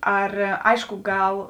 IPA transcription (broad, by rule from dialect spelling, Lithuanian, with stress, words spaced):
ˈɐr ˈɐɪʃkʊ ˈɡɐlˠ